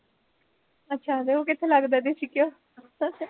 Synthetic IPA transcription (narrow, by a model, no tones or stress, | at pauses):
ətːʃʰaːd̪eoːkɪt̪ʰːeːləɡd̪eːd̪eːt͡ʃʰiːkjoː